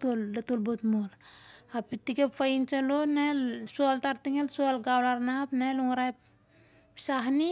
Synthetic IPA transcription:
tolːatolbotmol | apitikepfaint͡ʃalonelsualtaɾtiŋelsualɡawlaɾnapnaluŋɾajp̚ | saɦni

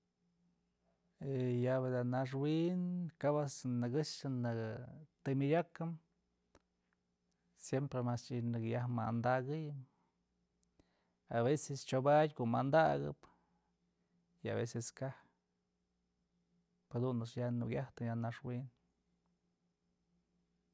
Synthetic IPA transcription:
ejabed̪anaʂ̬winkabasnɨɡɨʂɨnɨkt̪ɨmʲidʲakɨm | sjempɾemast͡ʃinɨkjahma̰nd̪aɡɨjɨm | aβesest͡ʃobadʲkoʔmand̪aɡɨ̰p | ia̰bḛseskah | phad̪unɨsjanuɡʲaht̪ɨjanaʂwin

